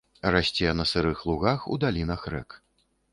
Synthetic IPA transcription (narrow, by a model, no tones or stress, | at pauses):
rasʲt͡sʲɛnɐsɨɾɨxlˠuɣaxṵd̪alʲinɐxrɛ̰k